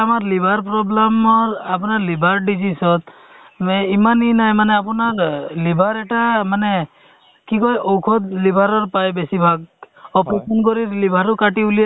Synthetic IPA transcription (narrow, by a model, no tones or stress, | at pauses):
amaɾlibʱaɾpɾɔblamɔɾapɔnaɾlibʱaɾɖid͡ʒisɔt̪ | meimaninajmaneapɔnaɾlibʱaɾɛʈamane | kikɔjʔɔwkʰɔd̪libʱaɾɔɾpajbesibʱaɡ̚ | ɔpupunkɔɾiɾlibʱaɾɔkaʈiulija